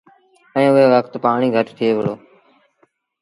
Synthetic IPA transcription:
ɛ̃ːʊɦeːʋəkʰt̪paːɳ̃iːɡʱəʈt̪ʰɪeːʋəloː

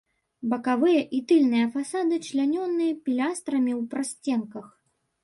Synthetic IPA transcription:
bɐkavɨjɐʔit̪ɨlʲnɨjɐfasad̪ɨt͡ʂlʲanʲɔnːɨjɐpʲilʲast̪ɾɐmʲiwpɾasʲt͡sʲɛnkɐx

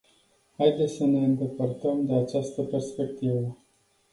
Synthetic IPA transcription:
hajd̪esəneənt̪epəɾt̪əmd̪eat͡ʃast̪əpeɾspek̚t̪ivə

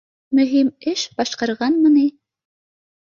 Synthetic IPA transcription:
mɵɦimɪʃb̥ɑʃqɑɾʁɑnmənɪ

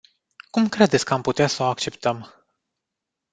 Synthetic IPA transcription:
kumkɾe̞d̪et̪sʲkəamput̪easəoak̚t͡ʃe̞pt̪əm

